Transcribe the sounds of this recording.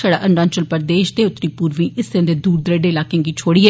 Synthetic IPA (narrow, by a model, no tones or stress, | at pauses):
əɽa̰ːʔənnãːnt͡ʃəlpəɾd̪eːʃd̪eːʊt̪ːɾiːpuːɾʋĩːʔɪseənd̪eːd̪uːɾd̪ɾeːɖeːlaːkeãŋɡiːt͡ʃʰoːɽiːɦɛː